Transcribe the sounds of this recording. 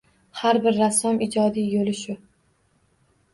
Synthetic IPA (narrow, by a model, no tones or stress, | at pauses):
haɾbɪɾːasːɒmɪd͡ʒɒd̪ijolɪʃʊ